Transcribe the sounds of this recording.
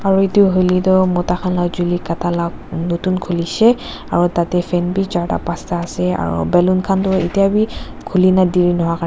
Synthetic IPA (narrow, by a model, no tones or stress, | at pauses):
aɹuetiʊɦojlitɔmɔtaxʰanlazulikatalaknotunkʰulisɛ | a̰ɹutatɛfʰɛnbizaɹta̰pastaːsɛa̰ɹṵbɛlunkʰantʊḛtijabi | kʰulinadiɹinɔɦakaɛ